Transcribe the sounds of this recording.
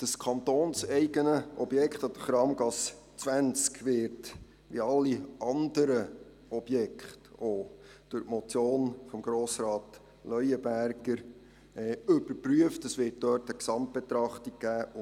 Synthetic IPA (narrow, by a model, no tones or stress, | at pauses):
d̥əskʰɑntoːnsɛɪɡənəʔɔbjɛkχtɑd̥əχɾɑːmɡɑs | t͡sʋænt͡skʋɪːɾt | ʋiɑlːiɑnd̪əɾə | ɔb̥jɛkχtoː | d̥ʊɾtmɔt͡sjoːnfɔmɡɾoːsɾɑːt̪ | lœjəbæɾɡ̥əɾ | ɵbəpɾyəftəsʋɪːt̚dœːtəksɑmt̚b̥et̪ɾɑχtik̚ɡ̥æːʊ